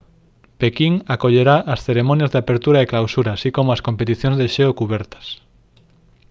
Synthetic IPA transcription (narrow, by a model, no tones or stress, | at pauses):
pekiŋakoʎeɾaʔasθeɾemõnjazðeapeɾt̪uɾaeklawsuɾaːsikomoaskompet̪iθjõŋzðeʃeokuβɛɾt̪ḁs